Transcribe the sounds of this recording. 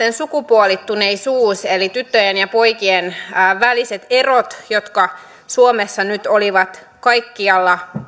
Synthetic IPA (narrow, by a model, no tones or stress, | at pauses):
ensukupuolit̪ːuneisuːselit̪yt̪ːøjenjɑpo̞jkienːʋæliset̪e̞rot̪jot̪kɑ | suomesːɑnyt̪oliʋɑt̪ | kɑjkːiɑlːɑ